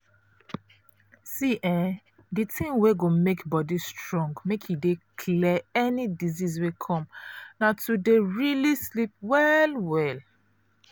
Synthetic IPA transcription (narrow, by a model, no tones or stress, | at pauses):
siʔɛ̃ | ditʰĩŋweɡomekbɔdistɹɔ̃ŋɡmekʰjudekʰlɛɛnidizis̬wekʰɔ̃mnatudeɹilislip̚wɛlwɛl